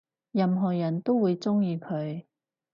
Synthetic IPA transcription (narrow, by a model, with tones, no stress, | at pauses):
jɐ˧mɦɔː˨˩jɐ˨˩nt̪o˥wwuː˨˧jt͡sʊ˥ŋjiː˧kʰɵ˨˧ɥ